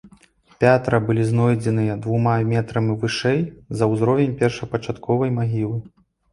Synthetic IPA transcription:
pʲat̪ɾɐbɨlʲizn̪ɔjd͡zʲɛnɨjɐd̪vumamʲɛt̪ɾɐmivɨʂɛjzɐwzɾɔvʲɛmʲpʲɛrʂɐpɐt͡ʂat̪kʰɔvɐjmaɣʲilˠɨ

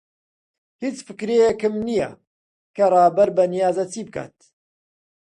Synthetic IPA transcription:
hit͡sfɨkɾejekɨmnijɐ̰ | kɐrˤɑːbɐɾbɐnijaːzɐt͡siːb̚kʰa̰ːt̪

